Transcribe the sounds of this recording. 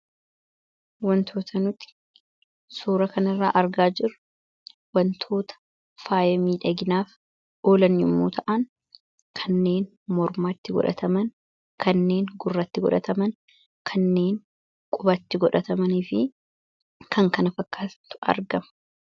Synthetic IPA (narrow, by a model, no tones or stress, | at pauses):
wɐnt̪ʰoːt̪ʰɐnʊt̪ɪ̥ | suːɾɐkɐnɪrːa̰ːʔɐɾɡaːd͡ʒɪɾʊ | wɐnt̪ʰo̞ːt̪ɐ̥ | faːjɐmiːᶑɐɡɪnaːf | o̞ːlɐnʊmːuːt̪ʰɐʔɐn | kʰɐnːe̞ːn | mɔɾmaːt̪ːɪɡɔ̰ᶑɐ̰t̪ʰɐmɐn | kʰɐnːe̞ːŋɡʊrːɐt̪ːɪɡɔ̰ᶑɐ̰t̪ɐmɐn | kʰɐnːe̞ːŋ | kʼʊbɐt̪ːɪɡɔᶑɐt̪ɐmɐnɪfɪ | kɐŋkɐnɐfɐkːaːt̪ːʊ̥ɐ̰ɾɡɐmɐ̥